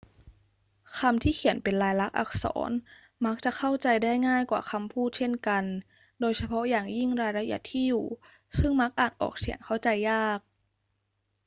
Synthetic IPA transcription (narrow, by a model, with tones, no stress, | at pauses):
kʰa˧mt̪ʰiː˥˩kʰi˨˩˦ə˦npe˨nlaː˧jla˦˥k̚ʔa̰˨˧˩k̚sɔ̰ː˩˦n | ma˦˥k̚t͡ɕa˨˩kʰa˥˩wt͡ɕa˧jdaː˥˩jŋaː˥˩jkwa̰ː˨˩xʰa˧mpʰuː˥˩t̪̚t͡ɕʰe˥˩nka˧n | doː˧jsa˧pʰɔ˦˥jaː˨˩ŋji˥˩ŋɾaː˧jɾa˧˥ʔḭ˨˩˦t̪ʰiː˥˩juː˨˩ | sɯ˥˩ŋma˦˥k̚ʔaː˨˩t̪̚ʔɔ̰ː˨˩k̚si˨˩˦əŋkʰa˥˩wt͡ɕa˧jːaː˥˩k̚